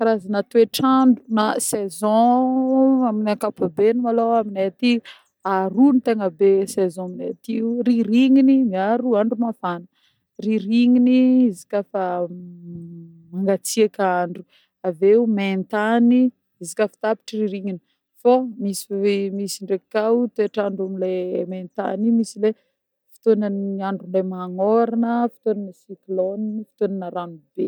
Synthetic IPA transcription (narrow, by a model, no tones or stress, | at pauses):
aɾazanat̪ueʈ͡ʂaɳɖ͡ʐunasezɔ̃ | aminakapabenumaloaminet̪iu | aɾunit̪eŋəbesezɔ̃minet̪iuriɾiŋinimiaɾuaɳɖ͡ʐumafanə̥ | riɾiŋiniizi̥kʲafa | maŋɡat͡siakaɳɖ͡ʐu | aveument̪ani | izikʲəfi̥t̪api̥ʈ͡ʂiriɾiŋini | fomisi̥misiɳɖ͡ʐekawt̪eʈ͡ʂaɳɖ͡ʐamilement̪a̰nimisile | fi̥t̪onanaɳɖ͡ʐulemaŋoɾanəfi̥t̪onanəsiklonfi̥t̪onanəɾanub̥e